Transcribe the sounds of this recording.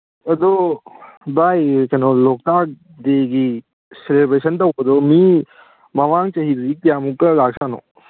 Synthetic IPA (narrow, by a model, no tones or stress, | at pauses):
ɐd̪ɔ | bajkɐnolok̚tak̚ | d̪eɡi | selebɾesɐnt̪ɐwɐd̪ɔmi | mɐmaŋt͡ʃɐɦidudikijamukːɐlaksano̰